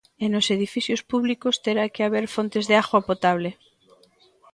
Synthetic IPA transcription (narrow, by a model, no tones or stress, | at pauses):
enoseð̞ifiθjospuβlikost̪eɾakeaβ̞eɾfont̪e̞zðeaɣwapot̪aβ̞le